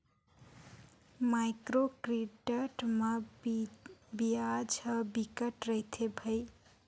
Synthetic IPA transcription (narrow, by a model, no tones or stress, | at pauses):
majkɾokɾiʈəʈmʌ | biad͡ʒʌbikəʈɾəjt̪ʰebʱəj